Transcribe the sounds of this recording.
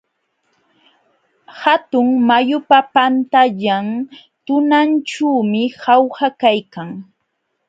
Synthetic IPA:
hat̪ʊŋmajʊpapant̪aʎaŋt̪ʊnant͡ʃuːmɪhawhakajkaŋ

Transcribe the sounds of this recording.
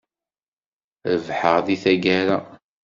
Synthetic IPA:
əvħəʁðiθæɡæɾa

